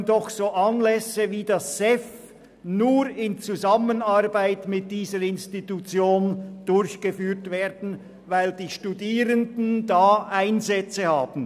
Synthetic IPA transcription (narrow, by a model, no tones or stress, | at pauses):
ndɔχsoːʔɑnlɛsəviːdɑsːɛf | nuːɾɪnt͡suzamənarbaɪtmɪt̚d̥iːzəɾɪnstitut͡sjoːnd̥ʊɾçɡ̥əfyːtveːdn̩ | vaɪld̥iːʃtudiːɾəndn̩daːaɪnzɛt͡səhaːb̥n̩